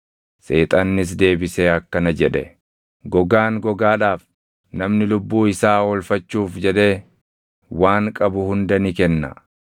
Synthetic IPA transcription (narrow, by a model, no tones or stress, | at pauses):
seːt̪ʼɐnːɪs̬d̪e̞ːbɪseːɐkːɐnɐd͡ʒɛᶑɛ̰ | ɡɔɡaːŋɡɔɡaːᶑaːf | nɐmnɪlʊbːuːɪsaːwɔlfɐt͡ʃːuːfd͡ʒɛᶑe̞ː | waːŋkʼɐbʊhʊnd̪ɐnɪkɛnːɐ̰